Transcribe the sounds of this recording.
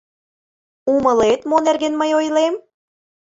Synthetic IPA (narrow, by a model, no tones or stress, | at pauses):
umə̆let̪monerɣenməjojlem